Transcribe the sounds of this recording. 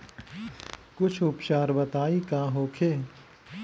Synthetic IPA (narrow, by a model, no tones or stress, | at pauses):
kʊt͡ʃʰʊpt͡ʃaːɾbət̪aːikaːɦoːkʰeː